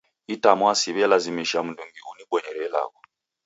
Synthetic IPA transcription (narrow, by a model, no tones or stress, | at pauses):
itamwasiβɛjalazimiʃam̩nduŋɡiuniɓwɔɲɛɾɛla̰kɔ